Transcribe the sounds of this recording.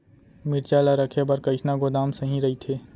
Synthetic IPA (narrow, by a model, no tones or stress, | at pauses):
mɪɾt͡ʃaːlaɾɐkʰebɐɾkəɪʃnaɡʊd̪aːmsɐɦĩɾɐɦit̪ʰeː